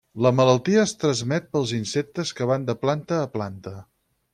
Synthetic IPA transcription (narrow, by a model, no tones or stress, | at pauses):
ləmələlˠt̪iəːst̪ɾəzmɛt̪̚pəlˠzinsɛk̚t̪əskəβ̞and̪əplant̪əːplant̪ə